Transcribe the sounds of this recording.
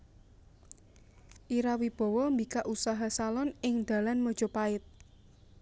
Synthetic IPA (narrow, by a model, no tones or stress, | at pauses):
ʔiɾawib̥ɔ̤wɔmbikaʔusaɦasalɔnɪŋd̪̥ä̤lanmɔd̥ʒ̥o̤paɪt̪̚